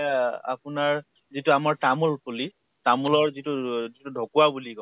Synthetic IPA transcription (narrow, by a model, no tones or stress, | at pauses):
a̰pʊnaɹ | zitʊamaɹtamulpuli | tamulɔɹzituzitudʱɔkuwabuliɡɔ